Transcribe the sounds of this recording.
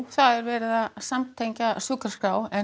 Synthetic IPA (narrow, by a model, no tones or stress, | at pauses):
θaðɛɾvɛːɾɪðasamt̪ʰejɲcasʏkaskaːwɛ